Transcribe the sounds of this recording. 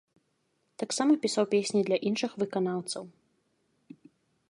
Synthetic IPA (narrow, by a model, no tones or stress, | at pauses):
t̪aksamɐpʲisawpʲesʲnʲid̪lʲɐʔinʂɨxvɨkanawt̪sɐw